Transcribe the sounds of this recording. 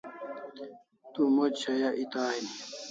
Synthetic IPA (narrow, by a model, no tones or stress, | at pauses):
t̪umod͡ʑɕɐjaʔit̪aːɦini